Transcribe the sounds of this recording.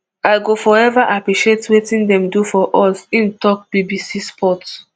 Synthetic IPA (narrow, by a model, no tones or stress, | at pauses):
aɪɡofɔɛvaʔapɹiʃietwetĩndɛ̃mdufɔʔɔsĩntɔk̚b̥ibisispʰɔt